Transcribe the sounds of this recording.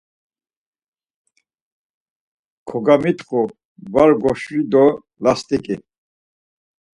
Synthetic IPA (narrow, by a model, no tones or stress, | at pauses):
kʰɔɡamit̪χu | vaɾɡɔʃɾid̪ɔ | last̪ʼikʼi